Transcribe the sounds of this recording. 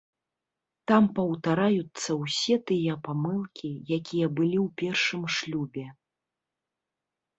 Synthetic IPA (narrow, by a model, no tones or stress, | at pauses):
t̪ampɐwt̪aɾajut̪sːɐwsʲɛt̪ɨjɐpamɨlˠkʲijakʲijɐbɨlʲiwpʲɛrʂɨmʂlʲubʲɛ